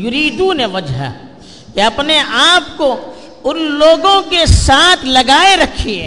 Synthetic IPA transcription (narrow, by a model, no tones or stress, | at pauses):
jʊɾiːd̪ũneʋɐd͡ʒɦ | kiɐpneʔaːp̚ko | ʊnloːɡõkesaːt̪ʰlɐɡaːeɾɐkʰiɛ